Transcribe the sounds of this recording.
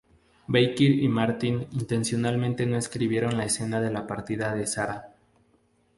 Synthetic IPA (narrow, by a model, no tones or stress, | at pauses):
bejkiɾimaɾt̪inint̪e̞nsjo̞nalmẽnt̪e̞no̞eskɾiβje̞ɾo̞nlaese̞naðe̞lapaɾt̪iðaðe̞saɾa